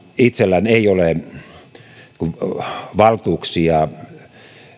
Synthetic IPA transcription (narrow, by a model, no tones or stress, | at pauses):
it̪selːæneˑiole | kuʋɑlt̪uːksiɑ